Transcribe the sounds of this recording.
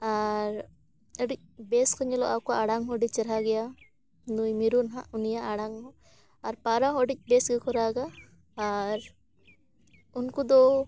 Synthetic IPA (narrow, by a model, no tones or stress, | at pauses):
aɾ | əɽic̚beskɔɲɛlɔʔawkɔaɽaŋɦɔɖit͡ʃɛɾɦaɡɛja | nujmiɾunɦaʔunijaʔaɽaŋɦɔ | aɾpaɾaɦɔɖic̚ˀbesɡɛkɔɾaɡaː | ɾ | unkud̪ɔ